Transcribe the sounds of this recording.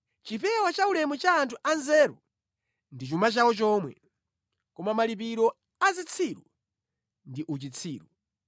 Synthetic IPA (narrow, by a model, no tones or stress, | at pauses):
t͡ʃipɛwat͡ʃaulɛmut͡ʃaːntʰuʔanzɛɾṵ | ndit͡ʃumat͡ʃawɔt͡ʃɔːmwɛ̰ | kɔmamalip̬iɾɔ | azit͡sʰiɾu | ndiʔut͡ʃit͡sʰiːɾu